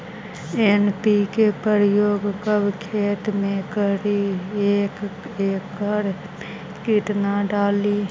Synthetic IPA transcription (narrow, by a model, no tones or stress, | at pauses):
enpikepəɾjoːɡkəbkʰeːt̪mẽkəɾieːkeːkːəɾ | kiʈnaɖaːliː